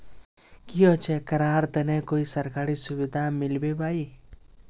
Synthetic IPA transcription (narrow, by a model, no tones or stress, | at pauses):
kiɔt͡ʃʰekəɾaːɾt̪ənekoːisəɾkaɾisʊʋid̪ʱamɪlbebaːi